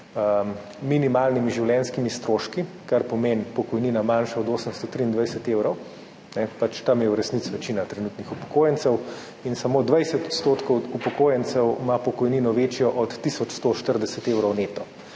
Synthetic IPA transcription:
ə | minimalnimiʒiwljɛnskimist̪ɾoʃki | kaɾpɔmenpɔkɔjninamanʃaɔd̪oːsəmst̪ɔt̪ɾiːnd̪ʋajsɛt̪ewɾɔw | nɛpat͡ʃt̪amjɛuɾɛsnit̪sʋɛt͡ʃinat̪ɾɛnuːt̪nixupɔ̥koːjɛnt̪sɛw | insamoːd̪ʋajsɛt̪ɔt̪st̪oːt̪kɔwupɔkoːjənt̪sɛwmapɔkɔjninɔʋet͡ʃjɔʔɔt̪ːisɔt͡ʃst̪oʃt̪əɾd̪ɛsɛt̪ewɾɔwnet̪ɔ

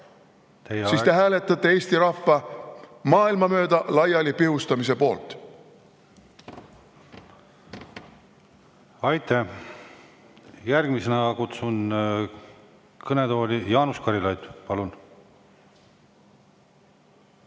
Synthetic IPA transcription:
t̪ejesiːst̪e̞ɦæːle̞t̪ːˑɑt̪ːˑeeːst̪iɾɑfːɑmɑːilmɑmø̞ːd̪ɑlɑjɑlʲipihust̪ɑmise̞po̞ːlt̪ˑ | ɑjt̪ːæ | jærɡ̥misenɑkut̪sun | kɤned̪o̞ːlʲijɑːnuskɑɾilɑjt̪pɑlun

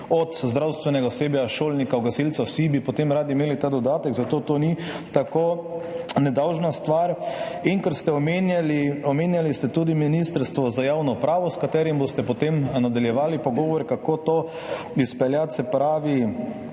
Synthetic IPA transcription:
ɔt̪zd̪ɾawst̪ʋɛnɛɡaseːbjaʃoːlnikaɔɡasilt̪sawsibipɔt̪emɾaːd̪imeːlit̪ad̪ɔd̪aːt̪ɛɡzat̪oːt̪oːni | t̪akoːnɛd̪awʒnast̪ʋaɾ | iŋkɛɾst̪ɛɔmenaliɔmeːnjalist̪ɛt̪uːd̪iminist̪əɾst̪ʋɔzajaːwnɔupɾaːʋɔskat̪ɛːɾimbost̪ɛpɔt̪emnad̪aljɛʋaːlipɔɡɔːʋɔɾɛkakot̪oː | ispɛljasɛpɾaːʋi

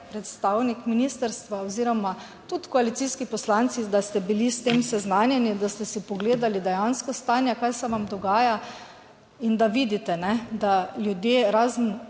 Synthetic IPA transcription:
pɾɛt̪st̪awnikminist̪əɾst̪ʋaoziːɾɔma | t̪ut̪kɔalit̪siskipɔslant̪sid̪ast̪ɛbilist̪eːmsɛznaːnjɛnid̪ast̪ɛsipɔɡleːd̪alid̪ɛjanskɔst̪aːnjakajsɛʋamd̪ɔɡaːja | ind̪aʋid̪it̪ɛnɛd̪aljud̪jeːɾaːzən̩

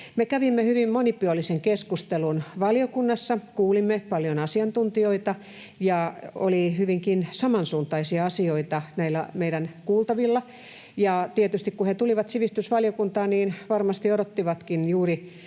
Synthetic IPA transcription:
mekæʋimːehyʋimmonipyolːiseŋkeskust̪elunʋɑljokunːɑsːɑkuːlimːepɑljonɑsiɑnt̪unt̪ioit̪ɑ | jɑo̰lihyʋiŋkinsɑmɑnsuːnt̪ɑisiɑɑsioit̪ɑnæilːˑæmeidænkuːlt̪ɑʋilːɑ | jɑt̪iet̪yst̪ikkuhet̪uliʋɑt̪siʋist̪ysʋɑljokunt̪ɑːniːnʋɑrmɑst̪ioɾot̪ːiʋɑt̪kinjuːri

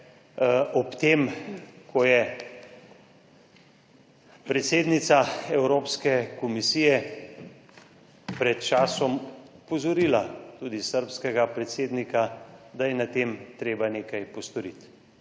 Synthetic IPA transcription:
ɔpt̪eːmkʰɔjɛ | pɾɛt̪seːd̪nit̪saɛwɾoːpskɛkɔmisijɛ | pɾɛt̪̚t͡ʃaːsɔmpɔzɔɾiːlat̪ud̪isəɾpskɛɡapɾɛt̪seːd̪nikad̪ajɛnat̪emt̪ɾeːbaneːkajpɔst̪ɔɾit̪

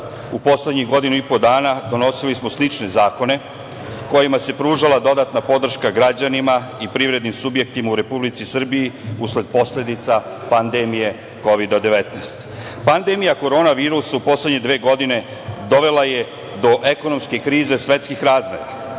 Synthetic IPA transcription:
upo̞sle̞d̪ɲiɣɡo̞d̪inuipo̞d̪aːnad̪o̞no̞silismo̞slit͡ʃne̞zaːko̞ne̞ | ko̞jimase̞pɾuːʒalad̪o̞d̪at̪napo̞d̪r̩ʃkaɡɾad͡ʑanimaipɾivɾe̞d̪nimsubje̞k̚t̪imauɾe̞publit̪sisr̩bijiusle̞d̪̚po̞sle̞d̪it̪sapand̪emije̞ | ko̞ʋid̪ad̪e̞ʋet̪najst̪ | pand̪e̞mijako̞ɾo̞ːnaʋiːɾusaupo̞sledɲe̞d̪ʋe̞ːɡo̞d̪ine̞ | d̪o̞ʋe̞laje̞ | d̪o̞ʔe̞ko̞no̞mske̞kɾiːze̞sʋe̞t̪skixɾaːzme̞̰ɾa

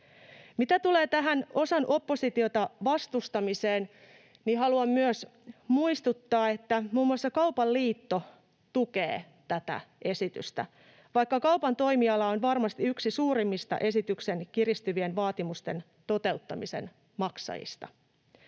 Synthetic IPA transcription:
mit̪æt̪uleːt̪æɦæno̞sɑnʔo̞pːosit̪iot̪ɑʋɑst̪ust̪ɑmiseːn | niɦɑluɑmːyøsmuist̪ut̪ːɑːet̪ːæmuːmːuɑsːɑkɑwpɑlːiːt̪ːo | t̪ukḛː | t̪æt̪æ̰e̞sit̪y̰st̪æ̰ | ʋɑikːɑkɑupɑnt̪o̞imiɑlːɑonʋɑrmɑst̪iyksisuːɾimːist̪ɑ̰ʔe̞sit̪yksenkirist̪yʋienʋɑːt̪imust̪e̞̰n | t̪o̞t̪e̞ut̪ːɑmise̞̰n | mɑksɑ̰jḭst̪ɑ̰

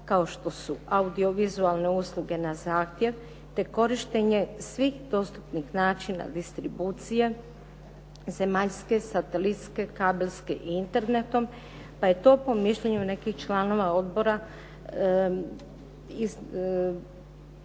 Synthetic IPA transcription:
kao̞ʃt̪o̞suaud̪io̞ʋizualˠne̞uslˠuɡe̞nazaːxt̪je̞ʋ | t̪e̞ko̞ɾiʃt̪e̞ɲe̞sʋixd̪o̞st̪u̥pnixnaːt͡ʃina̰d̪ist̪ɾibuːt̪sije̞ | ze̞maʎske̞sat̪elit̪ske̞kaːbeʎske̞ʔiint̪e̞ɾnet̪o̞m | paje̞t̪o̞ːpo̞miʃʎeɲune̞kixt͡ʃlˠano̞ʋao̞d̪bo̞ɾa | iz

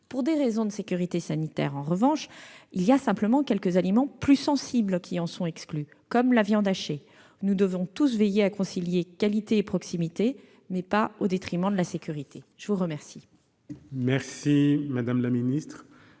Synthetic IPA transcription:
puʁd̪eʁezɔ̃d̪əsekʲyʁit̪esanit̪ɛ̰ʁɑ̃ʁəvɑ̃ʃiliasɛ̃pləmɑ̃kʲɛlkəzalimɑ̃plysɑ̃siblkʰʲiɑ̃sɔ̃ɛkskly | kɔmlavjɑ̃d̪aʃe | nud̪əvɔ̃t̪us̬vejeakɔ̃siljekalit̪eːpχɔksimit̪e | mɛpaod̪et̪χimɑ̃d̪əlasekʲyʁit̪ʰeʒ̥əvuʁəmɛʁsi | mɛʁsimad̪amlaminist̪χ

